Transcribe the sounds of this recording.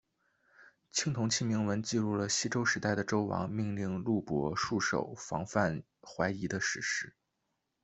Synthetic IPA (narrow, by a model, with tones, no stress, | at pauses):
t͡ɕʰi˥ŋt̪ʰʊ˧˥ŋt͡ɕʰi˥mi˧˥ŋwə˧˥nt͡ɕi˥˧ɻu˥˩lə˩ɕi˥ʈ͡ʂo˥ʊʂɻ̩˧˥t̪a˥˩ɪd̪ə˩ʈ͡ʂo˥ʊwɑ̰˧˥ŋmi˥˧ŋli˥˧ŋlu˥˩pwɔ̰˧˥ʂu˥˩ʂo̰˨˩ʊfɑ̰˧˥ŋfa˥˩n | xwa˧˥ɪi˧˥d̪ə˧ʂɻ̩˧˥ʂɻ̩˥